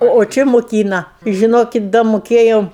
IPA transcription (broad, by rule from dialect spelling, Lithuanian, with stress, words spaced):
oː oː ˈt͡ʃʲɪ mʊˈkʲiːnɐ ɪ ʒʲɪˈnoːkʲɪt dɐ moːˈkʲeːjoːm